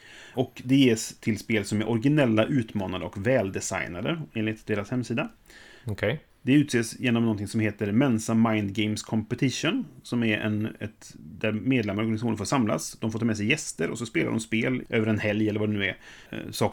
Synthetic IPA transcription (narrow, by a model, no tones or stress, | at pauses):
ʔɔkd̪ɛjeːst̪ʰɪlspeːlsɔmæɾʔɔɾɡɪnɛlːaʔʉ̟ːt̪mɑːnad̪əɔkvɛːld̪ɛsa̰jnad̪əeːnlɪt̪d̪eːɾashɛmːsiːd̪a | kʰ | d̪ɛʉ̟ːt̪seːsjeːnɔmnɔnt̪ʰɪŋsɔmheːt̪əɾmɛnsamajnd̪ɡɛɪmskʰɔmpɛt̪ʰɪʂʊnsɔmæɾɛ̰nɛt̪d̪æɾmeːd̪lɛmaɾɔɾɡanɪsaxuːnəfoːʂamla̰sd̪ɔmfoːt̪ʰɑːmɛs̬ɛjːɛst̪əɾɔ̰sɔspeːla̰dɔ̰mspeːlʔø̰ːvəɾɛnhɛljɛlːəɾvaɖɛnʉːæɾsɑː